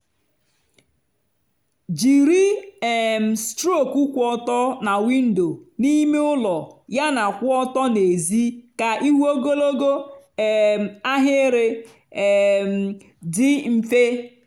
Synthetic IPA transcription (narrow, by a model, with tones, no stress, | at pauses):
d͡ʒi˨ɾi˦˨ | m̩˨stɾo˦˨ku˦kʷɔ˦tɔ˦na˨wi˦n̩˦do˨ni˦me˦ʊ˦lɔ˨ja˦na˨kʷʊ˦ɔ˦tɔ˦ne˨zi˦ka˨ʔi˦ɦʷu˦o˦ɡo˦lo˦ɡo˦˨ | m˨a˦ɦe˦e˦ɾe˦˨ | m̩˨ | dɪ˦m̩˦fe˦